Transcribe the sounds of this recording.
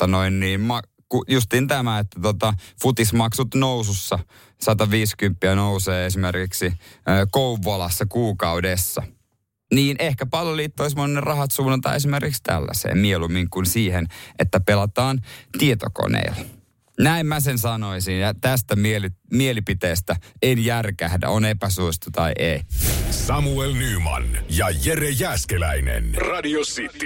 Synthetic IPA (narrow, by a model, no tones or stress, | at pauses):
ɑnoinːiːnmɑ | kujust̪iːnt̪æmæet̪ːæt̪ot̪ɑfut̪ismɑksut̪nowsusːɑ | sɑt̪ɑʋiːskympːiænouseːesimerkiksiøːkouʋɑlɑsːɑkuːkɑudesːɑ | niːnʔehkæpɑljolːiːt̪ːois̬monːerɑhɑt̪suːnːɑnt̪ɑ̰ːesimerkikst̪æ̰lːæ̰sḛːmmielumiŋkunsiːhenʔet̪ːæpelɑt̪ɑːnt̪iet̪o̰ko̰nḛːl | næimmæsensɑno̞isinjɑt̪æst̪æmielimielipit̪eːst̪æenjærkæhdæ̰onepæsuost̪ut̪ɑiʔeisɑmuelnyːmɑ̰njɑjerejæskelæinḛnrɑdiosit̪ːi